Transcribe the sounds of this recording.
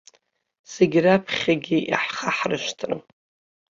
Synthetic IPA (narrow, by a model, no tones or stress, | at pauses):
seɡʲrapʰχʲaɡʲiʔḭħχaħrɨʃtʰrɨ̰m